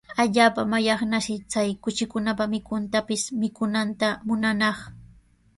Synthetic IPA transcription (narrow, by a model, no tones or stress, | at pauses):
aʎaːpamajɑχnaʃɪt͡sajkʊt͡ʃɪkʊnapamɪkʊnt̪apɪsmɪkʊnant̪amʊnanɑχ